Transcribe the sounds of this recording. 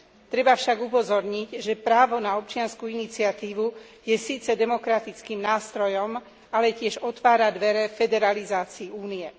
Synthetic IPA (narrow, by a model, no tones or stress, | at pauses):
t̪ɾɛbafʃaɡupɔzɔɾɲiɟʒɛpɾaːʋɔnaɔp̚t͡ʃɪanskuinit͡siat̪iːʋu | jɛsiːt͡sɛd̪ɛmɔkɾat̪it͡skiːmnaːst̪ɾɔjɔm | alɛcɪɛʒɔt̪ʋaːɾad̪ʋɛɾɛfɛd̪ɛɾalizaːt͡siːuːnijɛ